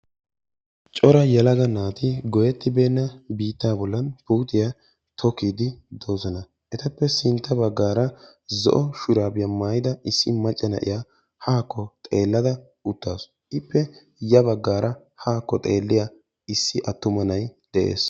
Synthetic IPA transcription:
t͡ʃʼɔɾɐjɛlɐɡɐnaːt̪ɪɡɔjɛt̪ːɪbe̞ːnːɐbiːt̪ːaːbɔlːɐnpuːt̪ɪja | t̪ʰɔkiːd̪ɪd̪o̞ːzɔnɐ | ʔɛt̪ɐpːɛsɪnt̪ːɐbɐɡːaːɾɐ | zɔ̰ʔɔʃʊɾaːbɪjɐmaːjɪd̪ɐʔɪsːɪmɐt͡ʃʼːɛnɐ̰ʔɪ̰ja | haːkːɔt̪ʼe̞ːlːɐd̪ɐ | ʊt̪ːaːs | ɪpːɛ | jɐbɐɡːaːɾɐ | haːkːɔt̪ʼe̞ːlːɪja | ɪsːɪʔɐt̪ːʊmɐnɐjd̪̥ɛʔe̞̰ːs

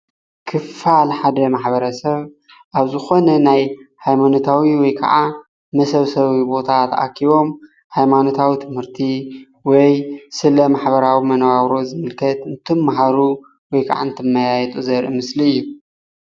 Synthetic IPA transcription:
kʰɨfalħad̪ɐmaħbɐɾɐsɐβ | ʔaβzɨxo̞nɐnajhajmanot̪ʰawiwɔjkʰɐ̰ʕa | mɐsɐβsɐβibo̞t̪ʰat̪a̰kʰiβo̞m | hajmano̞t̪ʰawit̪ʰɨmhɨɾt̪ʰi | wɔjsɨlɐmaħbɐɾawimɐnwaβɾo̞zɨmɨlkʰɐt̪ɨnt̪ʰɨmːaɦaɾu | wɔjkʰa̰ʕa̰nt̪ʰɨmːajajɛt̪ʼuzɐɾʔɨmɨsliɨjːu

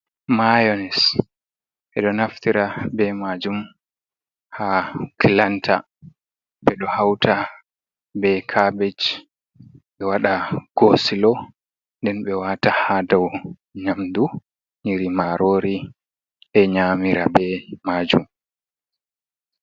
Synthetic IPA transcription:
majɔnɛs | ʔɛɗɔnaftiɾabɛmad͡ʒum | hakʰilantʰa̰ | ɓɛɗɔhawtʰa | bɛkʰabɛd͡ʒ | ɓɛwaɗaɡ̥osilɔ | ndɛnɓɛwaːtahadaw | ɲamdu | ɲiɾimaɾoːɾi | ɛɲamiɾabɛmaːd͡ʒum

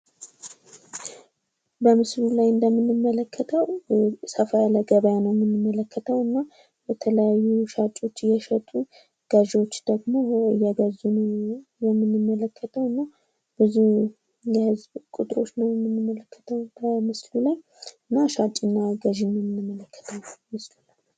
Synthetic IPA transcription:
bəmɨslulajɨnd̪əmːɨnːɨmːələkʰːət̪ʰəwsəfajaləɡəβəjanəwjɛmːɨnːɨmːələkʰːət̪ʰəwɨnːa | bɛt̪ʰələjajːuʃat͡ʃʼːo̞t͡ʃːjɛʃət̪ʼu | ɡ̥əʒwo̞t͡ʃːd̪̥əɡmo̞jɛɡəzunəjɛmːɨnːɨmːələkʰːət̪ʰəwɨnːa | b̥ɨzu | jɛhɨzbkʼut̪ʼɾo̞t͡ʃːnəwjɛmːɨnːɨmːələkʰːə̥t̪ʰəwbəmɨslulaj | ɨnːaʃat͡ʃʼɨnːaɡəʒɪnːəmːɨnːɨmːələkʰːə̥t̪ʰəwmɨslula

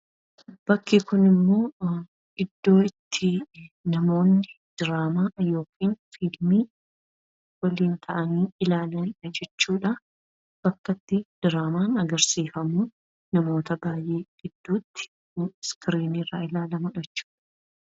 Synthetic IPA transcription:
b̥ɐkːikʊnɪmːo̞ː | ʔɪd̪ːo̞ːɪt̪ʰːɪnɐmo̞ːnːɪd̪̥ɪɾaːmaːjo̞ːkʰiːnfilmiː | wɐliːnt̪ʰɐʔɐniːɪlaːlɐɐd͡ʒɛt͡ʃːuːᶑɐ | b̥ɐkːɐt̪ːɪd̪̥ɪɾaːmaːnɐɡɐɾsiːfɐmuː | nɐmo̞ːt̪ɐbaːjʔe̞ːɡ̥ɪd̪̥ːuːt̪ːɪ̥ | skɪɾiːnirːaɪlaːlɐmʊᶑɛt͡ʃːu̥ːᶑɐ̥ɐ̥

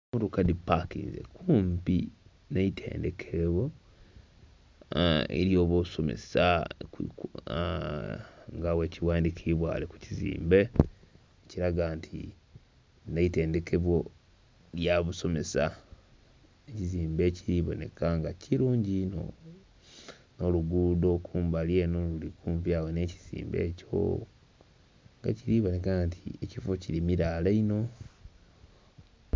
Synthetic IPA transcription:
muɾukadipːakḭzḛkʰuːmpi | neitʰḛːnde̞kʰeβo̞ | ḛɾjoːβosomḛsa | ŋɡawe̞ːciwaːndikʰiβwa̰ːleku̥cizḭːmbe̞ | eciɾaɡantʰḭ | neite̞ːnde̞kʰe̞βwo̞ | ljaβuso̞me̞sa | eciziːmbe̞ːciɾiːβo̰ne̞̰kaŋɡacʰiɾuːɲɟino̰ | noluɡudo̞kʰuːmbalje̞ːno̞lulikuːɱvjaːwene̞ːci̥z̥ḭːmbe̞̰ːco̞̰ | ŋɡa̰ciɾiːβonekantʰiecifo̞ciɾimiɾaːleino̞

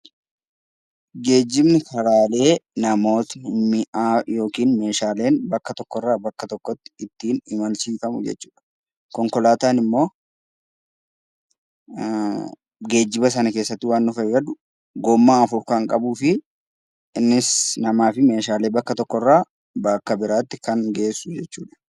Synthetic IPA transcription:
ɡe̞ːd͡ʒːɪbnɪkʰɐɾaːle̞ːnɐmo̞ːt̪mɪʔajo̞ːkiːnme̞ːʃaːle̞ːnbɐkːɐt̪ɔkːɔrːaːbɐkːɐt̪ɔkːɔt̪ːɪ̥ɪt̪ːiːnɪmɐlsiːfɐmʊ̰d͡ʒɛ̰t͡ʃːuːᶑɐ̥ | kɔŋkɔlaːt̪aːnɪmːo̞ː | ɡe̞ːd͡ʒːɪbɐs̬ɐnɐkeːsːɐt̪ːɪwaːnːʊfɐɡɐd̪ʊ | ɡɔmːaːɐfʊɾkaːŋkʼɐbuːfɪ | ɪnːɪsnɐmaːfɪme̞ːʃaːle̞ːbɐkːɐt̪ɔkːɔrːaː | bɐkːɐbɪɾaːt̪ːɪkɐŋɡe̞ːsːʊd͡ʒɛt͡ʃːuːᶑɐ̥

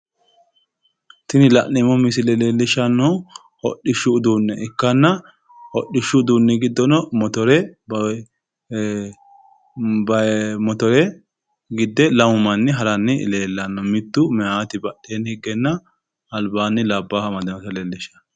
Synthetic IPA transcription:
t̪ɪnɪlɐʔɛmɔmɪsɪlɛleːlːɪʃɐnːɔ | ɔ̰ɗːɪʃːʊːd̪uːnːɛʔɪkːɐnːɐ | ɔɗːɪʃːʊːd̪uːnːɛɡɪd̪ːɔnɔmɔt̪ɔɾɛ | bɐmɔt̪ɔɾɛ | ɡɪd̪ːɛlɐmʊmɐnːɪɦɐɾɐnːɪleːlːɐnːɔmɪt̪ːʊmɛʔaːt̪ɪbɐɗeːnhɪɡːɛnːɐː | lbaːnːɪlɐbːaːhɐmɐd̪ɐmɐt̪ɐleːlːɪʃɐ̥

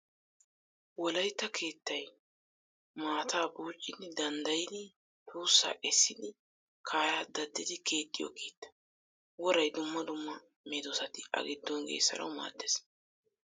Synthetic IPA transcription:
wɔlɐjt̪ːɐkʰe̞ːt̪ːɐj | maːt̪aːbuːt͡ʃʼːɪd̪ɪd̪ɐnd̪ɐjɪd̪ɪ | huːsːa̰ːʔɛsːɪd̪ɪ | kʰaːjaːd̪ɐd̪ːɪd̪ɪkʰe̞ːt̪ʼːɪjɔ̰kiːt̪ːɐ̥ | wɔɾɐjd̪ʊmːɐd̪ʊmːɐ | meːd̪ɔsɐt̪ɪʔɐ̰ɡɪd̪ːɔnɡḛːsɐ̰ɾɐ̰wma̰ːd̪ːɛs

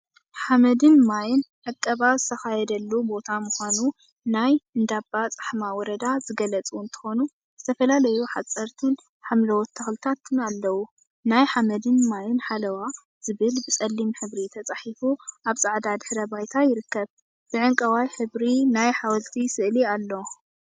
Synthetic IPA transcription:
ħamɐd̪ɨnmajɪnʕɨkʼːɐβazɨt̪ʰɐxajɛd̪ɐlːubo̞t̪ʰamuxʷanu | najɨnd̪abːat͡sʼɨ̥ħmawɔɾɐd̪azɨɡɐlɐt͡sʼunt̪ʰɨ̥xo̞nu | z̥ɨt̪ʰɐfɐlalɐjuħat͡sʼːɐɾt̪ʰɨn | ħamlɐwɔt̪ʰːɐxlt̪ʰat̪ʰɨnalːɐwu | najħamɐd̪ɨnmajɪnħalɐwa | z̥ɨβɨlbɨt͡sʼɐlːimħɨβɾit̪ʰɐt͡sʼaħifuʔaβt͡sʼaʕd̪ad̪ɨħɾɐbajt̪ʰajɪɾɨkːɐβ | b̥ɨʕɨŋkʼɐwajħɨβɾinajħawɐlt̪ʰisɨʔlialːo̞

